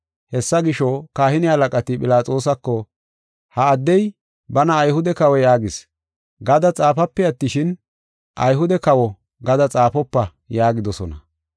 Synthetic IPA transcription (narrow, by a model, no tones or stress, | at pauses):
hɛsːɐɡɪʃɔkaːhɪnɪɐlɐkʼɐt̪ɪpʼɪlaːt͡sʼo̞ːsɐkːɔ | hɐːd̪ːɛj | bɐnɐːjhʊd̪ɛkɐwɛjaːɡɪs | ɡɐd̪ɐt͡sʼaːfɐpːɛɐt̪ːɪʃɪn | ʔɐjɦʊd̪ɛkɐwɔ | ɡɐd̪ɐt͡sʼaːfɔpːɐ | jaːɡɪd̪ɔsɔnɐ